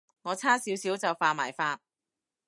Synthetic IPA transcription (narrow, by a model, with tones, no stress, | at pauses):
ŋɔː˨˧t͡sʰaː˥siː˨˥wsiː˨˥wt͡sɐ˨wfaː˨˧ma̰ː˨˩jfaː˧t̚